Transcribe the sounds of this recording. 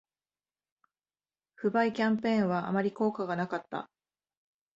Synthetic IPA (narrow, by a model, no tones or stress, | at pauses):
ɸɯ̟baikʲãmpẽ̞ːɰ̃βaʔa̰maɾʲiko̞ːkaɡanakat̪ːa̰